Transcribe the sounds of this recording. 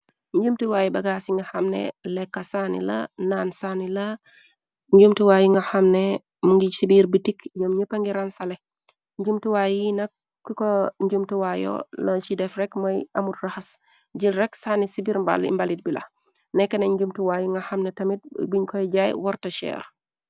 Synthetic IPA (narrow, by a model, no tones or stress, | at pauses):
ɲɟumtuwaːjibɐɡaːsiŋɡɐxɐmnɛ̰lɛkːɐsaːnḭlɐ̰naːnsaːnilɐ | ɲɟumtuwaːjiŋɡɐxɐmnɛ | muŋɡisibiɾbitikjɐmɲəpːɐŋɡiɾansɐlɛ | ɲd͡ʒumtuwaːjinɐk̚ː | ikɔɲɟumtuwaːjɔ̰lɔnt͡ʃidɛfrɛkmɐjʔɐmutrɐxɐs | ɟilrɛksaːnisibiɾmba̰lḭmbalit̚bilɐ̰ | nɛkːɐnɐɲd͡ʒumtuwajiŋɡɐxɐmnɛtɐmit̚biɲkɔjɟaːjwɔɾtɐʃɛ̰ːɾ